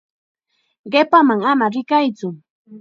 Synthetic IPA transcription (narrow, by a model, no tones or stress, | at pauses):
ɢepamaŋamaɾɪkajt͡sʊ